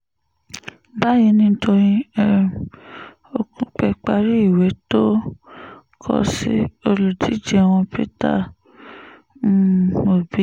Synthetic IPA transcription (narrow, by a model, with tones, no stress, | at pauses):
ba˦jĩ˧nĩ˧˦tʰo˧ɾĩ˧ɛ˧ | o˧kũ˧˦k͡pɛ˧k͡pa˧ɾi˦i˦˨wɛ˨˦to˦ | kʰɔ̰˧si˦o˧lu˨di˨˦d͡ʒɛ˦˨w̃ɔ̃˧pḭ˦ta̰˦˨ | o˨bi˨˦